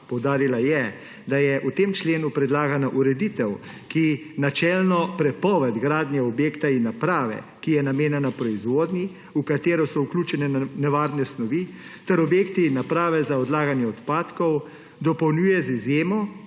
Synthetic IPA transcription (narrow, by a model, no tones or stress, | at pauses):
pɔwd̪aːɾilajɛ | d̪ajɛʔut̪eːmt͡ʃleːnupɾɛd̪laːɡanaʔuɾɛd̪it̪ɛw | kinat͡ʃɛlnɔpɾɛpɔːʋɛd̪ɡɾaːd̪njɛɔbjeːkt̪ainːapɾaːʋɛ̰ | kijɛnameːnanapɾɔizʋoːd̪ni | ukat̪eːɾɔsɔukluːt͡ʃɛnɛnɛʋaːɾnɛsnɔʋi | t̪ɛɾɔbjeːkt̪iːnːapɾaːʋɛzaɔd̪laːɡanjɛɔt̪paːt̪kɔw | d̪ɔpɔwnjuːjɛzizjeːmɔ